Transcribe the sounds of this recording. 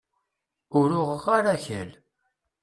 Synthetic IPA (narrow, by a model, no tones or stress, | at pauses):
ʊɾʊʁəʁaɾæçəl